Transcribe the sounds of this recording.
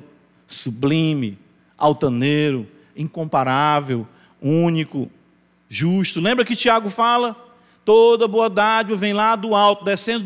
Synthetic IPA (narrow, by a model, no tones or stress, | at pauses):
sublĩmɪ | a̰wt̪ɐ̃neɾʊ | ĩŋkõmpaɾavew | ũnikʊ | ʒuʃt̪ʊlẽmbɾɐkɪt͡ʃiaɡʊfalɐ | t̪od̪ɐboɐd̪ad͡ʒɐvẽj̃lad̪ʊawt̪ʊd̪ɛsẽ